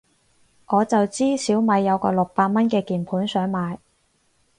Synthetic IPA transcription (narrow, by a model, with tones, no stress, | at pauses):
ŋɔː˨˧t͡sɐ˨wt͡siː˥siː˨˥wmɐ˨˧jːɐ˨˧wkɔ̰ː˧lʊ˨k̚paː˧t̚mɐ˥nkɛː˧kiː˨˩npʰuː˨˥nsœː˨˥ŋmaː˨˧j